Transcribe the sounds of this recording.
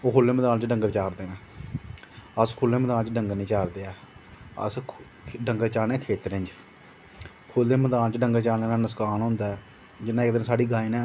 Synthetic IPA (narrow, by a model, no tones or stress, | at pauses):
oːkʰoːlːẽːməd̪aːnt͡ʃɖəŋɡəɾt͡ʃaːɾd̪eːnãː | əskʰoːlːeːməd̪aːnt͡ʃɖəŋɡniːt͡ʃaːɾd̪eːɛː | ə̰s | ɖəŋɡəɾt͡ʃaːnɛ̃ːkʰeːt̪ɾɪɲd͡ʒ | kʰoːlːeːməd̪aːnt͡ʃɖəŋɡəɾt͡ʃaːeːnãːnəskaːnɦõnd̪aɛː | d͡ʒɪnːãːɪkd̪ɪnsaːɽiːɡaːinɛ̃ː